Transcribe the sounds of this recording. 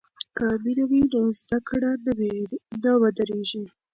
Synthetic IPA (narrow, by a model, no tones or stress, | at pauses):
kamilawinozd̪akɽanwenəwad̪əɾeʒi